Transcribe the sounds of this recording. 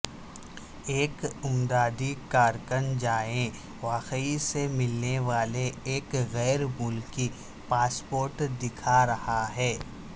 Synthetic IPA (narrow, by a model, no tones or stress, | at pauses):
eːkʊmd̪aːd̪ikaːɾkənd͡ʒaːẽ | ʋaːqəisemɪlneʋaːleeːkɣɛːɾmʊlki | paːspoːɾʈd̪ɪkʰaɾɐhaɦɛː